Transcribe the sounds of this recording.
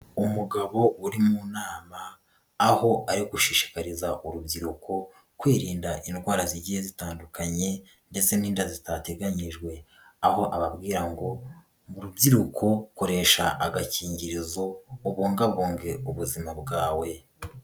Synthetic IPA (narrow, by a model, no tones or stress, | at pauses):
umuɡaβo̞uɾimunaːmaː | ho̞ʔaɾiɡuʃiʃi̥kaɾizaʔuɾubɟiɾukʰo̞ | kweːɾiːndaʔindɡwaːɾaziɟihezitaːndukʰaɲe̞ | nde̞t͡se̞niːndazitate̞ɡaɲiʒɡwe̞ | aho̞ʔaβabɡiːɾaŋɡo̞ | muɾubɟiɾukʰo̞ko̞ɾe̞ʃa̰ʔaɡaciːɲɟiɾizo̞uβoːŋɡaβoːŋɡe̞uβuzimabɡaːwe̞